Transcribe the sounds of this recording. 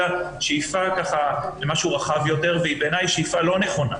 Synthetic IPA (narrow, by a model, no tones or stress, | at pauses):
a | ʃejfakaχalemaʃuʁaχavjo̞t̪eʁveibeːnajʃeifalo̞ne̞χo̞na̰